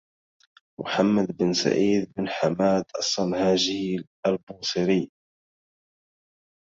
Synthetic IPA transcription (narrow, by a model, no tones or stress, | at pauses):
mʊ̰ħamːad̪bənsa̰ʔiːd̪̚bənħamaːd̪ɑsˤːɑnhaːʒil | albuːsɨɾi